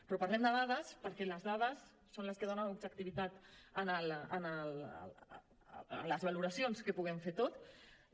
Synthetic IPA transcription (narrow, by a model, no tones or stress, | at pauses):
pɾɔpaɾlɛmd̪əðaðəspəɾkɛləzðaðəsː | onləskəðonənubd͡ʒək̚t̪iβit̪at̪ənələnəl | ləzβaluɾəsionskəpuɣɛmfet̪ot̪